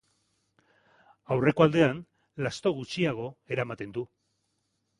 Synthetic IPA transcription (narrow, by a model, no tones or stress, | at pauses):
awre̞ko̞ald̪e̞an | last̪o̞ɣ̞ut͡ʃiaɣ̞o̞e̞ɾamat̪e̞nd̪u